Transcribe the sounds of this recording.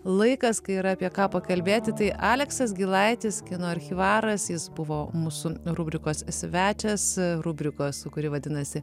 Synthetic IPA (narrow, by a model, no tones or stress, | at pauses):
lˠɐɪkɐskɐɪɪɾɐːpʲiɛkɑːpɐkɐlʲbʲeːt̪ʲɪt̪ɐɪʔɑːlʲɛksɐs̬ɡʲɪlˠɐɪt̪ʲɪskʲɪnoːɐɾʲxʲɪʋɑːɾɐsjɪsbʊʋoːmuːsʊɾubʲɾʲɪkoːssʲʋʲæːt͡ʃʲɛsɾubʲɾʲɪkoːssʊkʊɾʲɪʋɐd̪ʲɪnɐsʲɪ